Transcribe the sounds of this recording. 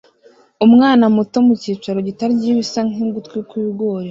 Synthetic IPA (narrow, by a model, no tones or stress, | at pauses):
umŋaːnamuto̞muciːt͡ʃaɾoɟitaɾiɟiβisaŋiɡutkwikwiːɡo̞ːɾe